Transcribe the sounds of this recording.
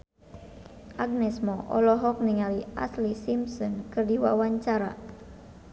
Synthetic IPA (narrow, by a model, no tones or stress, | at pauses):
ʔaɡ̚nɛsmɔʔɔ̰lɔɦɔk̚niŋaliʔaslisimsɔnkɨrdiwa̰waɲt͡ʃaɾa̰